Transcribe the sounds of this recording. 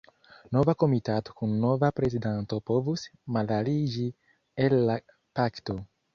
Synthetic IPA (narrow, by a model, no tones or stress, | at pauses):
no̞vako̞mitato̥kunːo̞vapɾe̞zidanto̞po̞vusmalalid͡ʒi | elːa | pakto̞